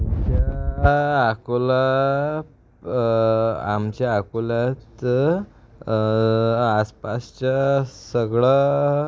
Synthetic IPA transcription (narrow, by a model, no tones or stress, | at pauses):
amt͡ɕaː | kola | amt͡ɕjaakolat̪ | spast͡ɕasəɡɭa